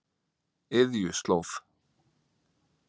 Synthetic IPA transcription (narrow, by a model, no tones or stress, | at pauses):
ɪðjʏst̪lowf